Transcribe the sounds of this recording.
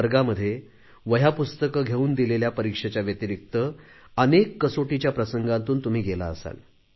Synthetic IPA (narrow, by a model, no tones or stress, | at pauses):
ɾɡaməd̪ʱːje | ʋəjapust̪əkəɡʱeuːnd̪ileljapəɾikʂet͡ɕjaʋjət̪iɾik̚t̪ə | ənekːəsoʈit͡ɕjapɾəsəŋɡãnt̪uːnt̪um̤iːɡela̰əsa̰l